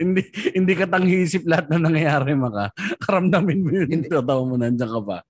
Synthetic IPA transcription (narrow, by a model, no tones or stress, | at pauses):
hɪnd̪ihɪnd̪iːkɐt̪ɐŋhiːsɪp̚lɐhat̪̚nɐnɐŋjɐjaːɾɛmɐkakɐɾɐmd̪ɐmɪnmojʊnɪŋt̪at̪awamonɐɐnd͡ʒɐŋkɐpɐ̰